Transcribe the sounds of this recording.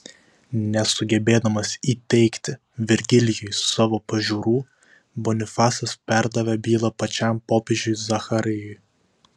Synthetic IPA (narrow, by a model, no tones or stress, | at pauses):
nʲɛsʊɡʲɛbʲeːd̪ɐmɐsiːt̪ʲɛɪkt̪ʲɪ | ʋʲɛɾʲɡʲɪlʲɪjɔjsɑːʋoːpɐʒʲuːɾuː | bɔnʲɪfɑːsɐspʲæɾd̪ɐʋʲɛbʲiːlˠɐpɐt͡ʃʲæmpoːpʲeːʒʲʊɪzɐxɐɾʲɪjɔj